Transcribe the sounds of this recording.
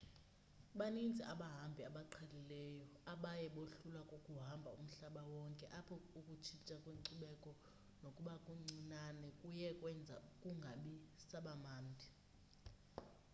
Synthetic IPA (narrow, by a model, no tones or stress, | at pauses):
ɓanind͡zʱiʔaɓaɦambʱiaɓaǃʰalilɛjɔaɓajɛɓoɬulakʼokʼuɦambʱaum̩ɬaɓawɔŋkʼɛʔapʰɔukʼut͡ʃʰit͡ʃʼakʼweŋǀuɓɛkʼɔ | nokʼuɓakʼuŋ͡ǀinanɛkʼujɛkʼwɛnd͡zʱa̰ukʼuŋɡʱaɓisaɓamaːndʱi